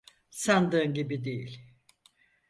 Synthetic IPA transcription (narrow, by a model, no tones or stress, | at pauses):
sand̪ɯːnɟibid̪ejilʲ